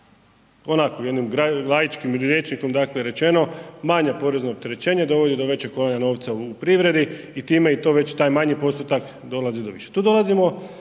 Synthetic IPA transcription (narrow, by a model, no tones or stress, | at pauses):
o̞nakojed̪nimɡɾaɡlˠajit͡ʃkimɾʲje̞t͡ʃniko̞md̪akleɾe̞t͡ʃe̞no̞maɲapo̞ɾe̞znoːp̚t̪e̞ɾe̞t͡ɕe̞ːɲad̪o̞ʋo̞d̪id̪o̞ʋe̞t͡ɕeko̞laɲano̞ːʋt̪saupɾiʋɾe̞d̪i | it̪iːme̞it̪o̞ʋe̞t͡ɕt̪aːjmaɲipo̞st̪ut̪ak | d̪o̞lazid̪o̞ʋḭʃet̪uːd̪o̞lˠazimo̞